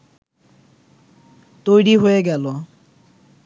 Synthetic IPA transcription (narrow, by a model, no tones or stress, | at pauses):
tojɹiɦojɛɡɛlɔ